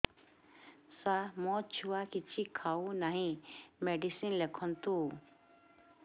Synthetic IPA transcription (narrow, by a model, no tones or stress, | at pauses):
samɔt͡ʃʰuwakit͡ʃʰikʰaunaɦĩmeɖisinlekʰɔnt̪u